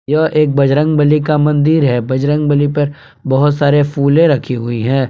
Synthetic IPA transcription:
joʔeːk̚bɐd͡ʒɾə̃ŋɡbəlikamɐ̃nd̪iːɾɦɛːbɐd͡ʒɾə̃ŋɡ̚bəlipɐɾ | bɐɦʊt̪saːɾefʰuːlẽɾɐkʰiɦʊiɦɛ̃ː

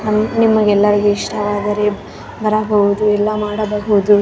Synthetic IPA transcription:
nɐmnimːɐɡɛlːɐɾɐɡeiʂʈʰɐʋaːd̪ɐɾe | bɐɾɐbɐɦud̪uɛlːɐmaːɽɐbɐɦud̪u

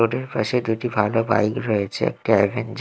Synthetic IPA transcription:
oɖeɾpaʃed̪uʈibʱaloba̰jkɾɔet͡ɕʰḛɛ̰k̚ʈaɛ̰bʱend͡ʑ

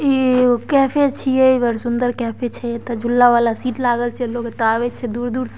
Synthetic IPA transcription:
ikɛpʰet͡ʃʰijeibəɾsund̪əɾkɛpʰet͡ʃʰɛt̪ɔd͡ʒʱulːaʋalasiːʈlaɡəlt͡ʃʰɛloket̪aβɛt͡ʃʰɛd̪uːɾd̪uːɾs

